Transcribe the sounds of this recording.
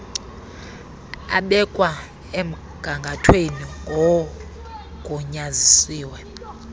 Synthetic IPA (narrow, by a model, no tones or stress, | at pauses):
a̰ɓɛkʼwa | em̩ | ɡ̥ʱaŋɡʱatʰweniŋɡʱɔ | kʼuɲazisiːwɛ